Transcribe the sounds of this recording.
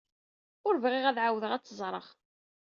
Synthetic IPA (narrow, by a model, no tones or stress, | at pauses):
ʊɾvʁiʁæðʕawəðəʁæt͡sːəzˤɾˤə̰ʁ